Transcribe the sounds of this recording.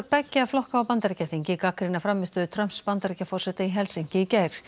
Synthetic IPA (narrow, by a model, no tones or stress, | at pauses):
ɾpɛcːaaflɔhkaawpant̪aɾcaθiɲcɪkakɾinafɾamːɪst̪ʏðɪt̪ʰɾœm̥spant̪aɾicafɔrsɛt̪ɪiɦɛlsiɲ̥cɪicaːjɾ̥